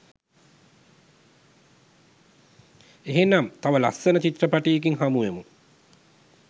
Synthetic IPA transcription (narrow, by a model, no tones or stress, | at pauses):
eɦenːamt̪aʋəla̰sːənət͡ʃit̪rəpaʈijːk̬iŋɦamuʋemu